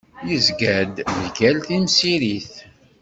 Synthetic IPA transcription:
jəzɡæd̪ðɡælθinsiɾiθ

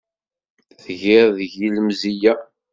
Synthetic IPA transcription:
θʝɪɾðʝiləmzijæ

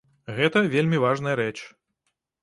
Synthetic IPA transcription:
ɣɛt̪ɐvʲelʲmʲivaʐnɐjɐɾɛt͡ʂ

